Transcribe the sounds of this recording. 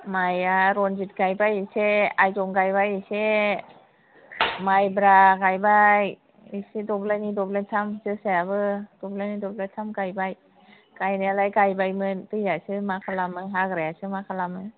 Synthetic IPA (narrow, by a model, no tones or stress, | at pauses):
majaɾont͡ɕit̪̚kajbajiseʔajt͡ɕoŋkajbajise | majbɾaːkajbaj | isit̪op̚lajnid̪op̚let̪ʰamsʰɯsɛːbəːt̪op̚lajnid̪op̚let̪ʰamkajbaj | kajnalajkajbajmɯnt̪ijasʰɯmaːkʰalamːɯŋɦakɾɛsʰɯmaːkʰalamɯŋ